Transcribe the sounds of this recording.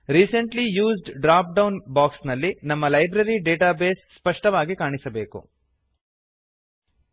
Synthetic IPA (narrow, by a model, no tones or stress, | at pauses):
ɾiːsɐɳʈlijuːzɖɖɾaːp̚ɖɐwnbaːksnɐlːinɐmːɐlɐjbɾɐɾiɖeːʈaːbeːsːpɐʂʈɐʋaːɡikaːɳisɐbe̞ːkṵ